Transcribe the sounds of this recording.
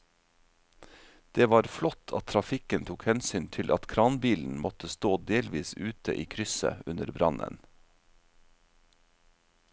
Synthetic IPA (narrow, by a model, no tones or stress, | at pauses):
d̪̥eːʋɑːɾflɔt̪ʰɑ̰t̪ʰɾɑfɪkənt̪ʰuːkhɛnsyːnt̪ʰɪlʔɑt̪kʰɾɑːnbiːln̩mɔt̪əst̪oːd̪eːlʋiːsʉːt̪ʰə̰ʔiːkʰɾʏsə̰ʉnəɾbɾɑnə̰n